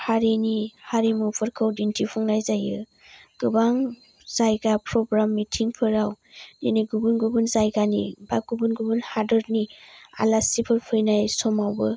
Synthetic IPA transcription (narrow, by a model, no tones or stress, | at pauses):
haɾinihaɾimupʰɯɾkʰɯwdintʰipʰɔŋnajzajɯ | ɡ̥ɯbaŋ | zajɡapʰɾɔɡɾamːitʰiŋpʰɯɾaw | deniɡubunɡubunzajɡanḭbaɡubunɡubunhadɔɾnia̰lasipʰɯɾpʰɯjnajsɔmawbɯ